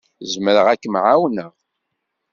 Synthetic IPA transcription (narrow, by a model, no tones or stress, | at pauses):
zməɾəʁækːəmʕawnəʁ